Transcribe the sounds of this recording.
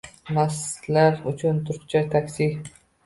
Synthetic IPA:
naslaɾʊt͡ʃʰʊnt̪ʰʊɾkt͡ʃʰat̪ʰakʲsɪ

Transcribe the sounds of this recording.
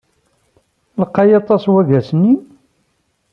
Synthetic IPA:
ləqːɑjɑt̪ˤɑswæɡæsənːi

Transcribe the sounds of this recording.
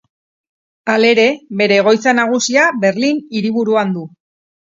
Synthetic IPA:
ale̞ɾe̞βe̞ɾe̞ːɣ̞o̞jt͡sanaɣ̞usiaβe̞ɾliniɾiβuɾuand̪u

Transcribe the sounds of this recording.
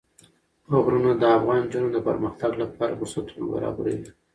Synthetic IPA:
aɣɾunad̪əafɣɑnd͡ʒanod̪əpə̰ɾməxt̪aɡlapɑɾa̰bʊsat̪una̰ba̰ɾɑ̰baɾewi

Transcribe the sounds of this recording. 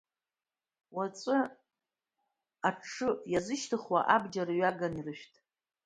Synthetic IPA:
wat͡sʷʼɨ | aʈ͡ʂʰɨjazɨʃtʰɨχwa̰ʔabd͡ʒaɾaɥaɡanirɨʃᶣtʼ

